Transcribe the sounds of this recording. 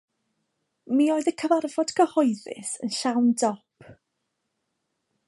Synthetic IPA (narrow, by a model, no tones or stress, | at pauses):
mioɨðəkʰəvarvɔd̥kʰəhɔjðɪ̰sənʃawndɔpʰ